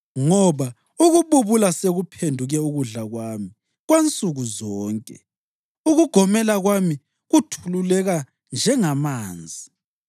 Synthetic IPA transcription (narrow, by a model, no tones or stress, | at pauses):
ŋɔβa | uɣuβuβulaseɣupʰendʱuɣɛuɣuɮaɣwami | ɣwent͡sʼuɣuzɔːŋkʼɛ̰ | uɣuɡ̥ʱɔmɛlaɣwami | ɣutʰululɛɣa | nd͡ʒʱɛŋamaːnd͡zʱi